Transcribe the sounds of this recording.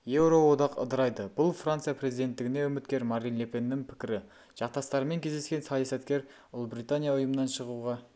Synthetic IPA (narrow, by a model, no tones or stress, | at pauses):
je̞wɾo̞wo̞d̪ɑqə̰d̪əɾɑjd̪əbʊlˠfrant̪sɨijapre̞zijd̪e̞nt̪ːɪɡʲɪneʊmɪt̪̚kʲe̞ɾmɑɾinlepʲe̞nːɪŋpʰɪ̥kʲɪɾɪ | ʒ̥ɑqt̪ɑst̪ɑɾəme̞ŋkʲʰe̞zd̪eskʲe̞nsɑjɑsɑt̪kʲe̞ɾ | ʊlˠbɾit̪anʲijaʊjəmənɑnʃəʁuʁɑ